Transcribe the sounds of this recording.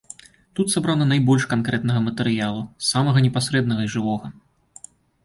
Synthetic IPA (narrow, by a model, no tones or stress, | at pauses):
t̪ut̪sabɾanɐnajbɔlʲʂkankɾɛt̪nɐɣɐmɐt̪ɛɾɨjalˠusamɐɣɐnʲɛpasɾɛd̪nɐɣɐiʐɨvɔɣɐ